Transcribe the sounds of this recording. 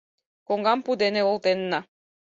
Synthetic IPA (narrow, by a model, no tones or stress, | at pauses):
koŋɡɑmpud̪eneolˠt̪enːɑ